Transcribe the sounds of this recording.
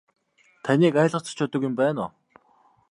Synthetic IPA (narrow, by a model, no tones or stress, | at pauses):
t̪ʰaniːkæːɮə̆t͡sḁt͡ɕʰʊːt̪ə̆kjʊmpæːnʊ